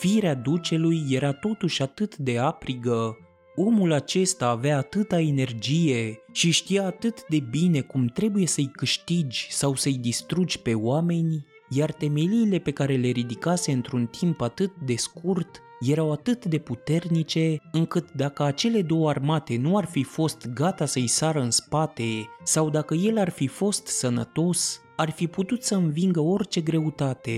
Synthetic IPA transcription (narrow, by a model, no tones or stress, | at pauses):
fiɾead̪ut͡ʃe̞lujːe̞ɾat̪o̞t̪uʃʲat̪ɨt̪d̪e̞apɾiɡə | o̞mulat͡ʃe̞st̪aːveaːt̪ɨt̪aene̞rd͡ʒije̞ʃiʃt̪ijaːt̪ɨt̪d̪e̞bine̞kumt̪ɾe̞buje̞səɨjkɨʃt̪id͡ʒʲsawsəɨjd̪ist̪ɾud͡ʒʲpe̞oame̞nʲ | jart̪e̞me̞liːle̞pe̞kaɾe̞le̞ɾid̪ikase̞ɨnt̪ɾunt̪ʰimpat̪ɨt̪̚d̪e̞skurt̪ | je̞ɾawat̪ɨt̪d̪e̞put̪e̞rnit͡ʃe̞ɨŋkɨt̪d̪akəat͡ʃe̞le̞d̪o̞warmat̪e̞nuarfifo̞st̪ɡat̪asəɨjsaɾəɨnspat̪e̞sawd̪akəje̞larfifo̞st̪sənə̰t̪o̞s | arfiput̪ut̪səɨnviŋɡəo̞rt͡ʃe̞ɡɾe̞ut̪at̪e̞̰